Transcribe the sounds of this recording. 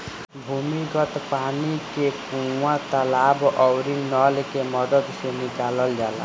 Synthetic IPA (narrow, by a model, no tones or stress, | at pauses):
bʱumiɡɔt̪panikepuat̪ɔlabʔɔwɾinɔlekemɔd̪ɔd̪senikalɔld͡ʒala̰